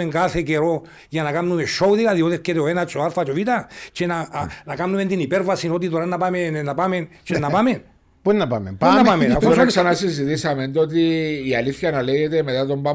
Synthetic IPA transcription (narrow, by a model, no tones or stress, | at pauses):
eŋɡaθekeɾo | janakamnumeʃowðiɣaðioðeket̪eoenat͡ʃʼoaɾfat͡ʃoʋit̪at͡ʃenanakamnument̪inipeɾvasinot̪̬it̪oɾanːapamennːapament͡ʃenːapamen | pennapamempanapamenakossanasizit̪isament̪ot̪̬iːaliθçanaleʝet̪eme̞t̪at̪omba